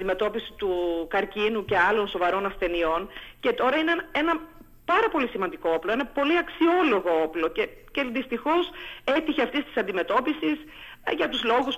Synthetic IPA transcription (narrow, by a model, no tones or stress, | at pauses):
d̪ime̞t̪o̞pisi̥t̪ukɐɾcinuce̞ɐlo̞nso̞vɐɾo̞nɐsθe̞nio̞nce̞t̪o̞ɾɐinee̞nɐ | pɐɾɐpo̞lisimɐnd̪iko̞oplo̞e̞nɐpo̞liɐksio̞lo̞ɣo̞oplo̞ceceðist̪ixo̞se̞t̪içeɐft̪est̪i̥sɐnd̪ime̞t̪o̞pisis | ʝɐt̪uzlo̞ɣus